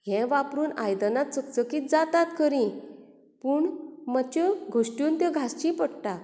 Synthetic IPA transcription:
ɦɛ̃ʋapɾuːnajd̪ənat̪t͡səkt͡səkiːt̪̚d͡zat̪at̪kəɾĩ | puɳmət͡ɕɔɡʱoʂʈjuːnt̪jãɡʱast͡ɕĩpəɽʈa

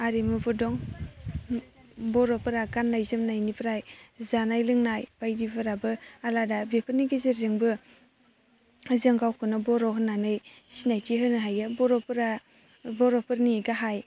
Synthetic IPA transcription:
aɾimɯbʰɯdɔŋ | bɔɾɔpɯɾaɡanːajzɯmnajnipʰɾajzanajlɯŋnajb̥ajdibɯɾabɯaladabepʰɯniɡizeɾzɯŋbɯ | zɯŋɡawkʰɯnɯbɔɾɔɦɯnanɯj | sinajtʰiɦɯnɯɦajɯbɔɾɔpɾa | bɔɾɔpɯɾniɡaɦaj

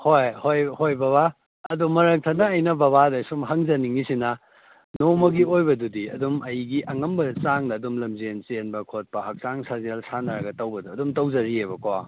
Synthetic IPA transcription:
hojhojhojbɐβa | ɐdumɐɾɐk̚tʰɐnɐːjnɐbɐβadɐsumɦɐŋzɐniŋisinɐ | nomɐɡiojbɐdudiɐ̰dumɐjɡiʔɐŋɐmbɐt͡ʃaŋdɐːdumlɐmzent͡ʃenbɐkʰot̚pɐhɐk̚saŋsazialsʰanɐɾɐɡɐtɐwbɐduɐdumtɐwzɐɾiebɐkwa

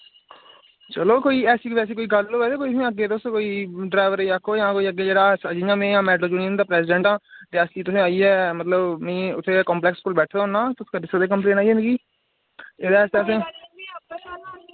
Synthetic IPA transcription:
t͡ʃəloːkoːiːɛːsiːʋɛːs̬eːkoːiːɡəlːoːʋɛːd̪eːkoːiːsẽːəɡːeːt̪ʊskoːiːɖɾaːʋəɾeːəkʰːoːjãːkoːiːəɡːeːd͡ʒeːɽaːsəd͡ʒĩãːmẽːjãːmɛːʈloːd͡ʒuːniːənd̪aːpɾɛːsɪɖə̃ɳʈãːt̪eːəsiːt̪ʊsẽːaːiːɛːmət̪ləbmĩːʊt̪ʰːeːkɔ̃ːmplɛːkskuːlbɛːʈʰd̪ɦʊːnãːt̪ʊsːkəɖɪsəd̪eːkəmplẽːnaːiːẽnd̪ɡiː | ed̪aːɛːst̪eəsẽː

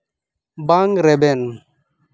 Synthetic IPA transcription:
baŋɾɛbɛn

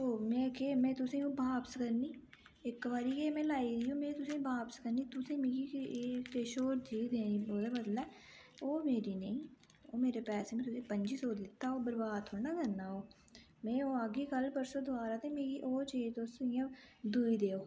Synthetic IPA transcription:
oːmẽːkeːmɛ̃ːt̪ʊsẽũːbʱaːpskəɾniː | ekːʋaːɾiːkemẽːlaːidijũːmẽːt̪ʊsẽːbʱaːpskəɾniːt̪ʊsẽmẽːkiːpeːʃoːɾt̪ʰiːd̪eːnĩboːd̪aːbəd̪lɛː | oːmeːɾinə̃ĩː | oːmeːɾepɛːseːmẽːt̪ʊsẽːpənd͡ʒiːsoːd̪lɪt̪ːaːoːbəɾbaːd̪̚ʰoːnaːkəɾnaːɦoː | mɛ̃ːoːaːɡiːkəlpəɾsoːd̪ʊaːɾaːt̪ẽmẽːkiʔoːt͡ʃiːt̪osɪjãd̪uːid̪eːoː

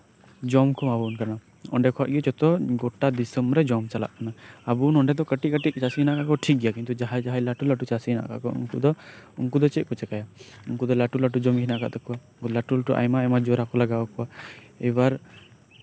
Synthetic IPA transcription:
d͡ʒɔmkʰɔmabunkana | ɔ̰ɳɖɛkʰɔt̪̚ˀɡɛt͡ʃɔt̪ɔɡɔʈad̪isəmɾɛd͡ʒɔmt͡ʃala̰ʔkanaabunɔɳɖɛd̪ɔkəʈit̚kəʈiʔ̪̚t͡ʃasinaʔkaʔkɔʈʰik̚ɡɛjakint̪ud͡ʒaɦad͡ʒaɦajlaʈulaʈut͡ʃasina̰ʔkʰa̰ʔkɔṵŋkṵd̪ɔuŋkud̪ɔt͡ʃɛʔ̪̚kɔt͡ʃɛkajauŋkud̪ɔlaʈulaʈud͡ʒɔmkʰinaʔkaʔt̪ɔka | laʈulʈuʔa̰jmajmad͡ʒɔɾakɔlaɡawɔkɔa | ɛwaɾ

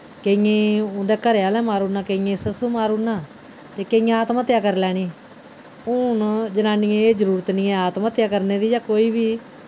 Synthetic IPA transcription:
keiẽːʊ̃ːd̪eːkəɾeaːlɛ̃ːmaːɾuːnãːkeijẽːsəsuːmaːɾuːnaː | t̪eːkeijãːaːt̪maːt̪ɪjaːkəɾlɛːɽ̃iː | ʊnd͡ʒənaːniẽeːd͡ʒəɾuːɾət̪niːẽːaːt̪mãːt̪jaːkəɾneːd̪iːd͡ʒaːkoːiːbiː

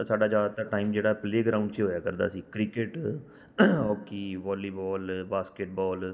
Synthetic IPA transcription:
saːɖaːd͡ʒaːd̪t̪aːʈaːiːmd͡ʒeːɽaːpleːɡɾaːʊ̃ɳɖt͡ʃɦoːjaːkəɾd̪a̰ːsiːkɾɪkeʈ | ɦɔːkiːʋɔːliːbɔːlbaːskeʈbɔːl

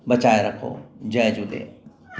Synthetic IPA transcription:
bɐt͡ʃaːeɾɐkʰo̰ːd͡ʒɐjd͡ʒud̪ḛː

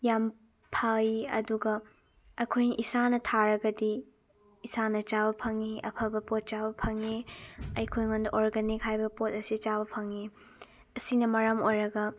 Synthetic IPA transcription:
jam | pʰɐiɐ̰duɡɐ | ɐkʰojnɐʔisanɐtʰaɾɐɡɐdi | isanɐt͡ʃabɐpʰɐŋiʔɐ̰pʰɐbɐpot̚t͡ʃabɐpʰɐŋiɐjkʰojŋondɐʔoɾɡenik̚ɦajbɐpot̚ɐsit͡ʃaβɐpʰɐŋi | ɐsinɐmɐɾɐmojɾɐɡɐ

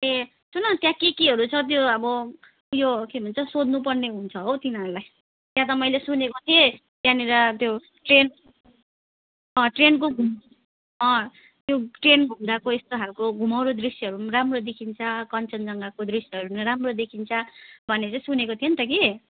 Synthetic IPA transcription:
e | sunʌt̪jãkikiɦʌɾut͡sʰʌt̪̬joʌbʌ | jokebʱunt͡sʰʌsod̪ʱnupʌrneɦunt͡sʰʌɦot̪inʌɾulaj | t̪jãt̪ʌmʌjlesunekot̪ʰie | t̪jãneɾʌt̪jo | ʈren | ʌ̃ʈrenkoɡʱum | ʌ̃ | t̪joʈrenbʱumd̪akoest̪oɦalkoɡʱumʌwɾod̪risjʌɦʌɾunramrod̪ekʰint͡sʰʌkʌnt͡sʌnd͡zʌŋɡakod̪risjʌɾunɾamrod̪ekʰint͡sʰʌbʱʌnːet͡saĩsunekot̪ʰijent̪ʌki

